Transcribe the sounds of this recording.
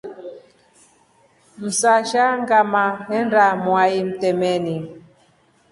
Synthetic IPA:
m̩saʃaŋɡamahɛnɾamwaim̩tɛmɛni

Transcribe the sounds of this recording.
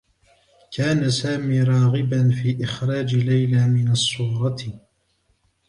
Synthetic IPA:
kʰaːnasaːmiːɾˤɑːɣɪbanfiːʔɪxɾˤɑːd͡ʒlajlaːmɪnasˤːuːɾˤɑ

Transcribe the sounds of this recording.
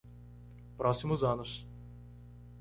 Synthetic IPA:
pɾɔsʲimuzanɔʃ

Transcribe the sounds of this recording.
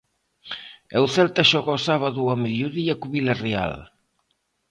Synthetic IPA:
ewθɛlt̪aʃɔɣɔsaβaðuamiðjuðiakuβilarea̰l

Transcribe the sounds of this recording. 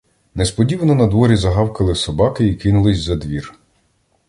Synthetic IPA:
nespɔdʲiʋnɔnɐd̪ʋɔɾʲizɐɦɑwkɐlˠɪsɔbɑkɪikɪnʊlˠɪsʲzɐd̪ʋʲir

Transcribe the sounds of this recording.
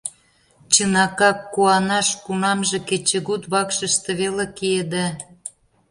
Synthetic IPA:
t͡ɕənɑkɑkːuɑnɑʃkunɑmʒĕket͡ɕeɣut̪βɑkʃə̆ʃt̪ĕβelekied̪e

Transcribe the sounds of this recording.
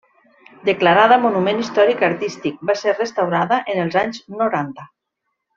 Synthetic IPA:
d̪əklaɾaðəmonumenist̪ɔɾikaɾt̪ist̪ik̚baserrest̪awɾaðəʔenəlˠzaɲznoɾant̪ə

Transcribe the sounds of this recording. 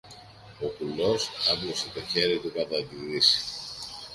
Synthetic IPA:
o̞kulo̞sɐbloset̪o̞çe̞ɾit̪ukɐðɐðiɾisi̥

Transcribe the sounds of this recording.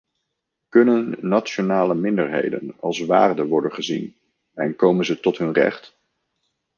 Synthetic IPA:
kɵnənːat͡ʃonaːləmɪndəɹɦḛjdə̰nɑlˠsʋa̰ːrdəʋɔɹdənχəzḭn | ɛnkowmənzətɔtɦɵnrɛ̰χt

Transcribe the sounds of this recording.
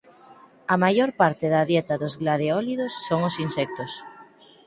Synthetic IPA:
ɐmajoɾpaɾt̪eðaðjet̪aðozɣlaðeɔliðosːoŋosinsɛk̚t̪os

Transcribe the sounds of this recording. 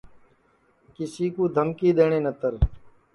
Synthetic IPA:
kɪsiːkuːd̪ʱəmkiːɗ̪eːɳ̃ẽːnət̪əɾ

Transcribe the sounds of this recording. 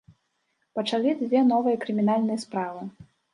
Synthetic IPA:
pɐt͡ʂalʲid͡zʲvʲɛnɔvɨjɐkɾɨmʲinalʲnɨjɐspɾavɨ

